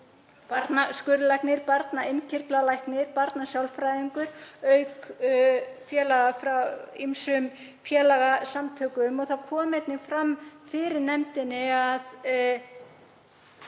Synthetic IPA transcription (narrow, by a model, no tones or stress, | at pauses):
paɾt̪naskʏɾʏlajknɪɾpaɾt̪naejncʰɪr̥t̪lalajhknɪɾpaɾt̪nasjawlfɾajðiŋkʏɾœɥk | fjɛːlaɣafɾaimsʏm | fjɛːlaɣasamt̪ʰœːkʏmɔɣθawkʰɔːmɛt̪nɪɣfɾamfɪɾɪɾnɛmt̪ɪnːɪað